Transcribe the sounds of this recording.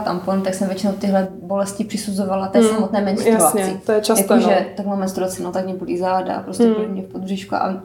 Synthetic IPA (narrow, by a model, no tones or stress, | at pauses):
t̪ampont̪aksɛmvjɛt͡ʃinowt̪ɪɦlɛbolɛscɪpr̝̥ɪsuzovalat̪ɛːsamot̪nɛːmɛnsɾuaɲt͡sɪt̪ojɛt͡ʃasjakoʒɛt̪akmaːmɛnst̪ɾuat͡sɛnot̪akɲɛbulizaːda̰pɾoscɛɛbulimɲɛfpod̪brɛʃkua̰